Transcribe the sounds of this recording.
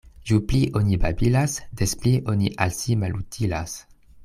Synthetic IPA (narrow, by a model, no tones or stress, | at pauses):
ʒupliʔonibabilasdespliʔoniʔalsimalutʰilas